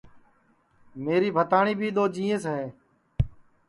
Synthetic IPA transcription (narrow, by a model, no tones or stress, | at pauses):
meːɾiːbʱət̪aːɳiːbʱiːɗ̪oːd͡ʒĩːẽːsɦeː